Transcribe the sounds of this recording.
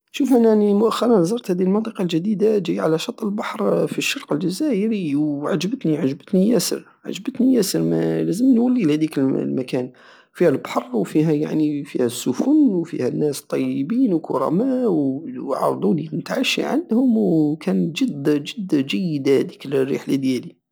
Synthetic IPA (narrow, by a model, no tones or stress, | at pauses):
ʃufʔænaʕnimʊʔæxːɑɾˤɑnzˤɑɾˤt̪hæd̪ihəlmənt̪ˤɑqɑlʒæd̪id̪ad͡ʒijʕalæʃɑt̪ˤːəlbɑħɾfiʃːɑɾˤqəlʒæzæʔəɾiwʕad͡ʒbət̪niʕaʒbət̪nijæsə̰ɾ | ʕa̰ʒbət̪nijæsəɾmæ̰læzəmnwælːilhæd̪ikəllmækæn | fihælbħɑrˤːwfiɦæja̰ʕnifihæsːʊfʊnwfḭhænːæst̪ˤːɑjːəbiːnwkʰʊɾˤɑ̰mæwʕɑ̰ɾˤd̪ˤunimt̪aʕaʃḭʕa̰nd̪hʊmwkʰænʒəd̪ʒəd̪ːʒæjːəd̪hd̪ikəlrːḭħlad̪jæli